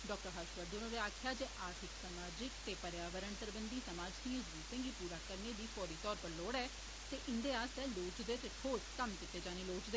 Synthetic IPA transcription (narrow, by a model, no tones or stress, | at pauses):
ɖɔːk̚ʈəɾɦaːʃʋəɾd̪ʊnõːɾeaːkʰɪjaːd͡ʒeːʔaːɾt̪ʰɪksəmaːd͡ʒɪkt̪eːpəɾjaːʋəɾəɳp̪əɾəbənd̪iːsəmaːd͡ʒt̪ĩːʊsd̪uːsɪ̃ŋɡiːpuːɾaːkəɾneːd̪iːpʰɔːɾiːt̪ɔːɾpəɾloːɽɛː | t̪eːʔɪnd̪eːaːst̪ɛːloːt͡ʃd̪eːt̪eːʈʰoːskəmkɪt̪ːeːd͡ʒaːneːloːt͡ʃd̪eː